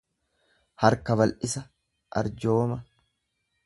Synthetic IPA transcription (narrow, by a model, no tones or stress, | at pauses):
hɐɾkɐβɐlʔɪsɐ | ʔɐ̰ɾd͡ʒo̞ːmɐ